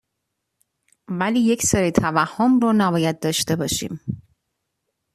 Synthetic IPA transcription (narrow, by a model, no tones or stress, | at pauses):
væliːje̞cʰsɒːɾit̪ʰævæhːomronæbɒːjæd̪̚d̪ɒːʃt̪e̞bɒːʃḭːm